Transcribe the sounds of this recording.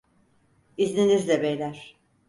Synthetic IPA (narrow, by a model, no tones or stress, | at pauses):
iznʲinizlʲɛbejlʲæɾ̥